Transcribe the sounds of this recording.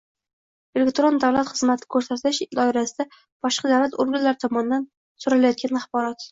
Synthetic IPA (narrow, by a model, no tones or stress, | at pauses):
elʲekt̪ɾo̞nd̪awlat̪χɨzmat̪ʰɪ̥kʰɵɾsat̪ʰɪʃd̪ɒɪɾasɪd̪a | b̥ɒʃqɑd̪awlat̪ʊɾɡʊnlaɾɪt̪ʰɒmɒnɪd̪an | sʊɾalajɒt̪̚kʲʰanaχbɒɾɒt̪